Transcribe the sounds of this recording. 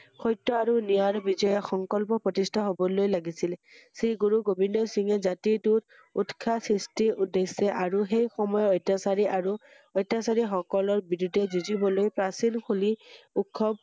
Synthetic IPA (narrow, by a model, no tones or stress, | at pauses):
xɔjtːɔaɹunijaɹɔbizɔjɔxɔŋkɔlpɔpɹɔtistʰaɦobɔlojlaɡisilsiɡuɹuɡobʱindɔsiŋɛzatitut | utkʰasɹistiudesɛʔaɹuxejxɔmɔjɔɔjtːasaɹiʔaɹu | ɔjtːasaɹixɔkɔlɔɹbiɹudʱɛzuzibɔlojpɹasilkʰuliukʰːɔb̚